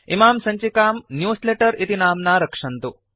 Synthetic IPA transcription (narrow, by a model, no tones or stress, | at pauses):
imaːmsɐɲt͡ʃikaːmnjuːsleːʈɐɾit̪inaːmnaːɾɐkʂɐnt̪u